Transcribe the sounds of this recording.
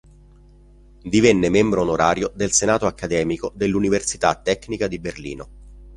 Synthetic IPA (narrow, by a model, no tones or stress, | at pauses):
d̪ivɛnːemembɾoːnoɾaːɾjod̪elsenaːt̪oakːad̪ɛːmikod̪elːuniversit̪at̪ːɛkːnikad̪iberlḭːno